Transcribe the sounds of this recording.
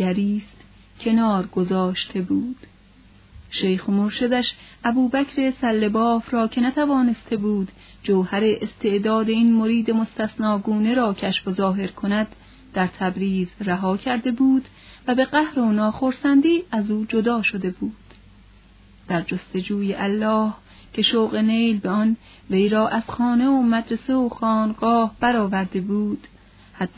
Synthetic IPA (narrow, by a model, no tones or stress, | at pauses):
æɾiːst̪ | cʰe̞nɒːɾɡozɒːʃt̪ʰe̞buːd̪̥ | ʃejxmoɾʃed̪æʃʔæbuːbæcʰɾe̞sælːe̞bɒːfɾɒːcʰe̞næt̪ʰævɒːne̞st̪ʰe̞buːd̪ | d͡ʒowhæɾe̞ʔest̪ʰe̞ʔd̪ɒːd̪e̞iːnmoɾiːd̪e̞most̪æsnɒːɡuːne̞ɾɒːcʰæʃfozɒːɦe̞ɾkʰonæd̪ː | æɾt̪ʰæbɾiːzræɦɒːcʰæɾd̪e̞buːd̪ | væbe̞ɢæhɾonɒːxo̞ɾsænd̪iːæzuːd͡ʒo̞d̪ɒːʃo̞d̪e̞buːd̪̥ | d̪̥æɾd͡ʒost̪e̞d͡ʒuːjeʔælːɒːh | cʰe̞ʃowɣe̞nejlbeɒn | ve̞jɾɒːʔæz̥xɒːne̞omæd̪ɾeseoxɒːnɡɒːhb̥æɾɒːvæɾd̪e̞buːd̪̥ | hæd̪